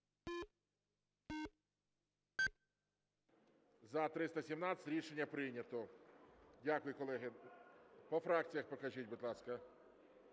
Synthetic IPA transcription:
zɐt̪ɾɪst̪ɐsʲimnɑt͡sʲɐ̥t̪ʲɾʲiʃenʲːɐpɾɪnʲɐt̪ɔ | dʲakʊjʊkɔlˠɛɦɪ | pɔfɾɑk̚t͡sʲijɐxpɔkɐʒit̚ʲbʊd̪lˠɑskɐ

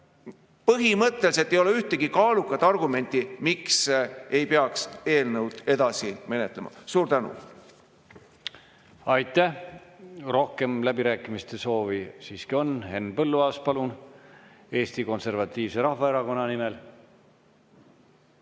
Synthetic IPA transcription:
pɤɦimɤt̪ːˑels̬et̪ːejo̞leyht̪eɡ̥ikɑːlukːˑɑt̪ːˑɑrɡume̞nʲt̪imiksejpeɑkse̞ːlnəwd̪̥e̞d̪ɑsime̞ne̞t̪lḛmɑ̰suːɾt̪ænṵ | ɑjt̪ːˑæh | ro̞hke̞mlæb̥iɾæːkːˑimist̪e̞so̞ːvisiːskio̞nhe̞nːpɤlːuɑːspɑlun | e̞ːst̪iko̞nse̞rvɑt̪ːˑiːvse̞ɾɑhvɑeɾɑko̞nːɑnimel

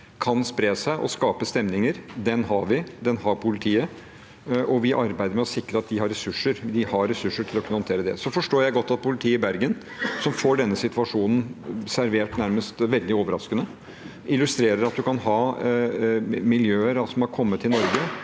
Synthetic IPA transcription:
kʰɑnspɾeːsæɪʔɔ̰skɑːpəst̪ɛmnɪŋəɾd̪ɛnɦɑɾʋɪd̪ɛnhɑɾpʰʊlɪt̪ʰiːə | ʔɔʋɪʔɑɾbæɪd̪əɾmɛɔsɪkːɾəɑt̪̚d̪ɪhɑɾɛsʉʂːəɾd̪ɪhɑɾɛsʉʂəʈʰɪlɔkʰʉnhɔnt̪ʰeːɾəd̪ɛ̰sɔfɔʂʈoːɾjæɪɡɔt̪ʰːɑt̪̚pʰʊlɪt̪ʰiːɪbæɾɡən | sɔmfoːɖɛnːəsɪt̪ʋɑʂuːnn̩sæɾʋeːʈnæɾməst̪ʋɛld̪ɪoːʋəɾɑ̰skənə | ʔɪlʉst̪ɾeːɾəɾɑt̪̚d̪ʉkɑnɦɑː | mɪljøːəɾɑlsɔmɑɾkʰɔmːət̪ʰːɪlnɔɾɡə

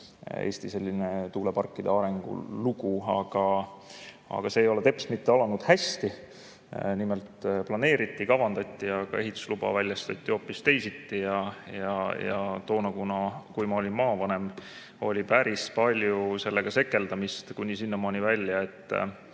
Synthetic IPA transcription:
eːsʲt̪ise̞lʲːine̞t̪uːlepɑrkːˑid̪̥eɑɾe̞ŋɡ̥ṵluɡuɑ̰ɡ̥ɑ | ɑ̰ɡ̥ɑse̞ːjo̞le̞t̪e̞pst̪mit̪ːeɑlɑnud̪̥hæst̪i | nime̞lt̪plɑne̞ːɾit̪ːˑikɑvɑnd̪̥ɑt̪ʲːiɑɡ̥ɑ̰e̞ɦit̪ːˑu̥slub̥ɑ̰vælʲjɑst̪ɑt̪ʲːˑio̞ːpːist̪e̞jsit̪ːijɑjɑjɑ̰t̪o̞ːnɑkunɑkujmɑo̞lʲinmɑːvɑne̞m | o̞̰lʲipæɾispɑlʲjuse̞lːeɡ̥ɑse̞kːˑe̞ld̪ɑmist̪kunʲisinːɑmɑːnʲivælʲːjɑe̞t̪ˑː

